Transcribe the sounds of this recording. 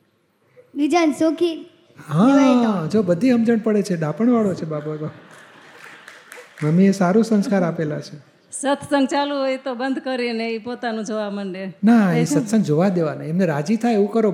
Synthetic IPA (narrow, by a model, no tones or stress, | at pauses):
ʋid͡ʒansoki | ɦãaid͡ʒobəd̪ʱːiɦəmd͡ʒəɳpəɽet͡ʃʰeɖapəɳʋaɭot͡ʃʰebababa | məmiesaɾũsə̃nskaɾapelat͡ʃʰe | sət̪ʰsə̃ŋɡt͡ʃalũɦojt̪obənd̪ʱkəɾineipot̪anũd͡ʒoʋaməɳɖenaesət̪sə̃ŋd͡ʒoʋad̪eʋanaemneɾad͡ʒit̪ʰajeʋũkəɾo